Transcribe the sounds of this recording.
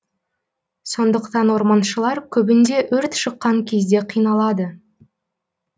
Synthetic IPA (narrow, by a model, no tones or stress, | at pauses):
so̞nd̪əqt̪ɑnwo̞ɾmɑnʃəlˠɑɾkʲʰɵbɪnd̪e̞ʔɵɾt̪ʃəqːɑŋkʲʰe̞zd̪e̞qʰijnɑlˠɑd̪ə